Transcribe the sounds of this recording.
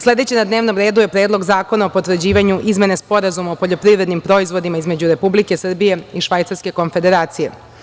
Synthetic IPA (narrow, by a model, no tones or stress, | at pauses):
sle̞d̪e̞t͡ɕenad̪neʋno̞mɾe̞ːd̪uje̞pɾeːd̪lˠo̞ɡzaːko̞naopo̞t̪ʋr̩d͡ʑiːʋaɲuʔizme̞nespo̞ɾazumaopo̞ʎo̞pɾiʋɾe̞d̪nimpɾo̞izʋo̞d̪imaizme̞d͡ʑuɾe̞publikesrbije̞iʃʋajt̪saɾske̞ko̞nfe̞d̪e̞ɾaːt̪sije̞̰